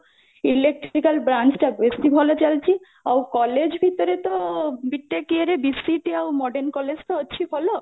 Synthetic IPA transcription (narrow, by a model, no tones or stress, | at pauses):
ilek̚ʈikalbɾant͡ɕʈabest̪ibʱɔlot͡ɕalt͡ɕʰi | awkɔled͡ʑbʱit̪oɾet̪obiʈːekieɾebisːiʈiawmɔɖeɾnkɔled͡ʑʈ̪aotːɕʰibʱɔlo